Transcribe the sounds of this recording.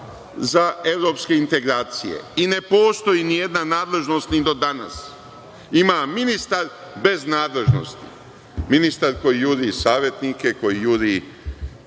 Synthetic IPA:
zae̞ʋɾo̞ːpske̞int̪e̞ɡɾaːt̪sḭjḛine̞po̞ːst̪o̞jinije̞d̪nanaːd̪le̞ʒno̞st̪nid̪o̞d̪ana̰s | imaminist̪aɾ | be̞znaːd̪le̞ʒno̞̰st̪ḭ | minist̪aɾko̞jijuɾisaːʋje̞t̪nike̞ko̞jijuɾi

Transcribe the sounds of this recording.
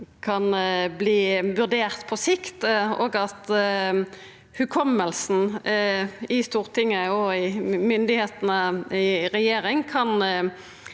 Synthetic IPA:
kʰɑnbliːʋʉʁd̪eːʁt̪pʰɔsɪkt̪o̰ːɡɑt̪ | hʉkʰɔmːəlsn̩ | ɪst̪uːʁt̪ʰɪŋːəɔɪmʏnd̪ɪheːt̪nəɪʁɛjeːʁɪŋkʰɑn

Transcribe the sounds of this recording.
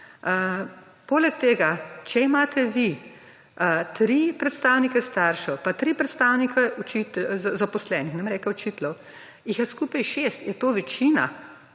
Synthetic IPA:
poːlɛk̚t̪eːɡat͡ʃɛimaːt̪ʰɛʋi | t̪ɾipɾɛt̪st̪aːwnikɛst̪aːɾʃɔpat̪ɾiːpɾɛt̪st̪aːwnikʰɛɔt͡ʃit̪zapɔslɛːnixnamɾɛːkɛɔt͡ʃiːt̪lɔw | jixjaskuːpajʃeːst̪jɛt̪oːʋɛt͡ʃiːna̰

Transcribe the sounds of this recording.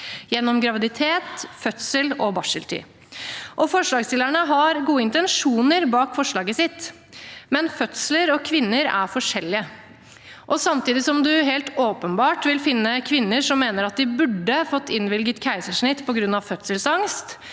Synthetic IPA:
jɛnːɔmɡɾɑʋɪd̪ɪt̪ʰeːt̪fœt̪səlɔbɑʂəlt̪ʰy̰ː | ʔɔfɔʂɭɑːɡst̪ɪlæɳəɦɑɾɡuːəɪnt̪ɛnʂuːnəɾbɑːkfɔʂɭɑːɡəsɪt̪ː | mɛnfœt̪sləɾɔkʰʋɪnːəɾæ̰ɾfɔʂɛlːɪə | ʔɔsɑmt̪iːd̪ɪsɔmd̪ʉɦeːlt̪oːpənbɑːʈʋɪlfɪnːəkʰʋɪnːəʂɔmːeːnəɾɑt̪̚d̪ɪbʉɖːəfɔt̪ʰːɪnʋɪlɡət̪kʰæɪsəʂɳɪt̪ːpʰɔɡɾʉnːɑʋfœt̪səlsɑŋst̪

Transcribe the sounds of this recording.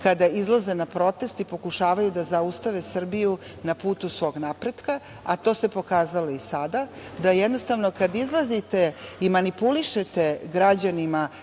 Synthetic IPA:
kad̪aizlˠazenapɾo̞t̪e̞st̪ipo̞kuʃaːʋajud̪azaust̪aʋesr̩biju | napuːt̪usʋo̞ːɡnapɾe̞d̪ka | at̪o̞ːse̞po̞kaːzalo̞isad̪ad̪ajɛd̪no̞st̪aʋno̞kad̪izlˠazit̪eimanipuliʃet̪e̞ɡɾad͡ʑanima

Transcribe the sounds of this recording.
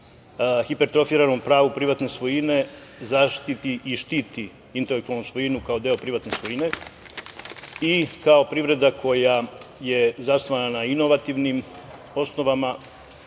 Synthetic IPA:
xipe̞ɾt̪ɾofiːɾanompɾaːʋupɾiʋat̪ne̞sʋojine̞zaʃt̪it̪iʔiʃt̪iːt̪i | int̪elekt̪ualnusʋo̞jinukao̞d̪eo̞pɾiʋat̪ne̞sʋo̞jine̞ | ikao̞pɾiʋɾe̞d̪akʰo̞jaje̞zast̪oʋananaino̞ʋat̪iːʋnim | o̞sno̞ʋama

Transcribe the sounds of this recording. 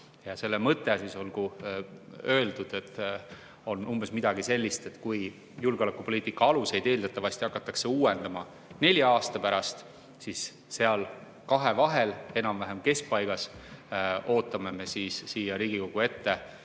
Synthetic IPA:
jɑse̞lːe̞mɤt̪ːˑe̞siso̞lɡ̥u | ø̞ːld̪̥ud̪̥e̞t̪ːˑ | o̞numbe̞smid̪̥ɑɡ̥ise̞lʲːist̪e̞t̪ːˑkuj | julɡeo̞lekːupo̞liːt̪ːˑikːˑɑɑluse̞jd̪̥e̞ːld̪̥ɑt̪ːˑɑvɑst̪iɑkːˑɑt̪ːˑɑkse̞uːe̞nd̪ɑmɑ | ne̞lʲjɑɑːst̪ɑpæɾɑst̪ | sis | se̞ɑl | kɑɦe̞vɑɦe̞le̞nɑmvæɦemke̞sk̚pɑjɡ̥ɑs | o̞ːt̪ːˑɑme̞me̞siːsːiːjɑɾiːɡ̥iko̞ɡ̥ue̞t̪ːe̞

